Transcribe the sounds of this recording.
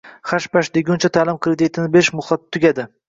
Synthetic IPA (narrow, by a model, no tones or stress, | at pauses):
χaʃpaʃd̪eɡʲʊnt͡ʃʰat̪ʰaːlɪmkʰɾed̪it̪ʰɪnɪbeʃmʊχlˠat̪̚t̪ʰːʊɡʲad̪ɪ